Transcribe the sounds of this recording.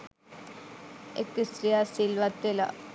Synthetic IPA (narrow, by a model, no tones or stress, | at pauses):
ekːisɾijasilʋat̪ːela̰